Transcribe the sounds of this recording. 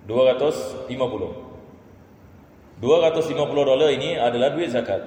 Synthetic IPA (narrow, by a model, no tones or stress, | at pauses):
duaɾat̪ʊslimãpulʊh | duaɾat̪ʊslimãpulʊhdolariniadalahduɪt̪̚zakat̪̚